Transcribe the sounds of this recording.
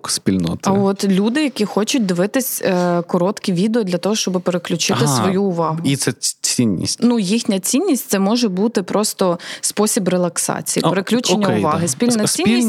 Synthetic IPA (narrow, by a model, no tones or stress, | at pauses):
spʲilʲnɔ̰t̪ɐɔt̪lʲud̪ɪjɐkʲixɔt͡ʃʊt̚ʲd̪ɪʋɪt̪ɪsʲkɔɾɔt̪kʲiʋʲid̪eɔd̪lʲɐt̪ɔɦɔʃt͡ʃɔbɨpeɾeklʲʊt͡ʃɪt̪ɪsʋɔjuːʋɑɦʊit̪sɛt͡sʲinʲːḭsʲtʲnujixnʲɐt͡sʲinʲːisʲtʲt̪ɛmɔʒɛbut̪ɪpɾɔst̪ɔspɔsʲibrelˠɐksɑ̰t͡sʲijḭpeɾeklʲut͡ʃenʲːɐʊʋɑɦɪspʲilʲnɐsʲinʲis